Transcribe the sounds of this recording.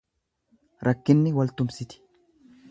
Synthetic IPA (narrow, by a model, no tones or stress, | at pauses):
ɾʔɐkːɪnːɪwɐlt̪ʊmsɪt̪ɪ̥